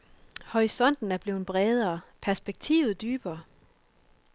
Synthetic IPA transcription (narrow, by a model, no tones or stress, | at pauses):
hɒisɒ̽n̰d̥n̩æɐb̥le̝ːn̩b̥ʁɛːð̞ˠɐːpʰæɐsb̥eɡ̥̚t͡sʰḭːʊð̩ˠd̥yːb̥ɐː